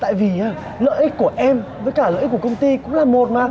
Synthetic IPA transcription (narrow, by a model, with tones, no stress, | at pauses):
t̪a̰ː˧˨jvi˨˩aː˧˩ | lə̰ː˧˨jʔi˦˥k̟̚ku˧˩əʔɛ˧mvəː˨˦jkaː˧˩lə̰ː˧˨ʔ̚kəkə˧wŋ͡mt̪i˧kʊ̰˧˥ŋ͡mlaː˨˩mo˨˩t̚maː˨˩